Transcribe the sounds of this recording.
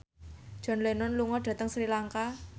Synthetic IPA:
d̥ʒ̥ɔ̤nlenɔnluŋɔɖ̥ä̤t̪əŋsɾilaŋka

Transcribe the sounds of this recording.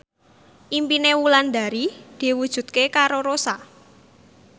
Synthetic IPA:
ʔimpinewuland̪a̤ɾid̪̥i̤wud̥ʒ̥ṳt̪̚kekaɾoɾosa

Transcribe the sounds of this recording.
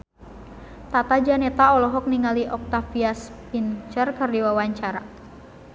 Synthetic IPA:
t̪at̪ad͡ʒanɛt̪aɔlɔɦɔk̚niŋaliʔɔk̚t̪afiaspint͡ʃərkərdiwawaɲt͡ʃaɾa

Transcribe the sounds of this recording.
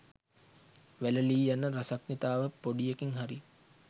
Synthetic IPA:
ʋæləliːjanəɾasaknit̪aːʋəpoɖijekiŋɦaɾi

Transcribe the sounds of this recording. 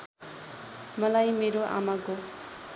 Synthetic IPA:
mʌlajmeɾoʔa̰maɡo

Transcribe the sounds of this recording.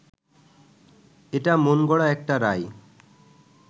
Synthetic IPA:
eʈamonɡɔɽaɛk̚ʈaɾaj

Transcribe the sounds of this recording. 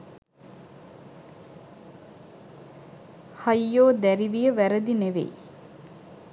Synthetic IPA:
hɐjːoːd̪æɾiʋijəʋæɾəd̪ineʋḛj

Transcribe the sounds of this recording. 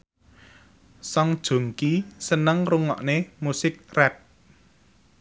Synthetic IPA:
sɔŋd̥ʒ̥o̤ŋkisənəŋruŋɔ̰ʔnemusɪk̚rɛp̚

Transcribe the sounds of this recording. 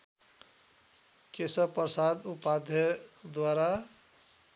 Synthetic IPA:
kesəpɾəsad̪upad̪ʱjəd̪waɾa

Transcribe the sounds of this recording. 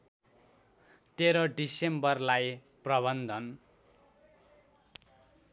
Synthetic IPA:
t̪eɾʌɖisembʌrlaj | prʌβʌnd̪ʱʌn

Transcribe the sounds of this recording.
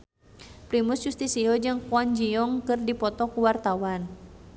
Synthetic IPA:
pɾimusd͡ʒust̪isiɔd͡ʒɨŋkuɔnd͡ʒiɔŋkɨrdipɔt̪ɔkuwart̪awan

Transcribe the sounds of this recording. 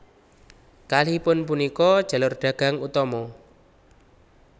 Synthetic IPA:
kalipʊnpunikɔd̥ʒ̥a̤lʊrɖ̥ä̤ɡ̥a̤ŋut̪ɔmɔ

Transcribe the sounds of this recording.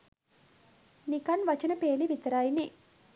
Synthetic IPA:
nikɐnʋɐt͡ʃɐnɐpeːliʋit̪ɐɾaːjini

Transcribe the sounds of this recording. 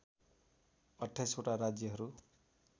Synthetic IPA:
ʌʈʰːajsoʈaɾad͡zjʌɦʌɾu

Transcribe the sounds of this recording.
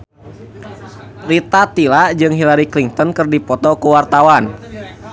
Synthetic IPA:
rit̪at̪ilad͡ʒɨŋɦilaɾikliŋt̪ɔnkɨrdipɔt̪ɔkuwart̪awan

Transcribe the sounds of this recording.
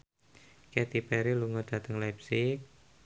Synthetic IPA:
kɛt̪ipɛɾiluŋɡɔd̪̥a̤t̪əŋlapsɪk̚

